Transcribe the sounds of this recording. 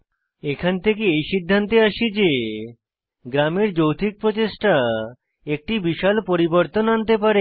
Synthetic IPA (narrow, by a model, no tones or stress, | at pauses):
ekʰant̪ʰekeejʃid̪ʱːant̪eaʃid͡ʑe | ɡɾameɾd͡ʑowt̪ʰik̚pɾot͡ɕeʃʈa | ek̚ʈibiʃalpoɾiboɾt̪onant̪epaɾe